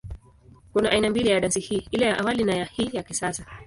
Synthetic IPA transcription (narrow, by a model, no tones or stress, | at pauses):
kunaʔainambilijaɗansihiːilɛjaʔawalinajahiːjakisasa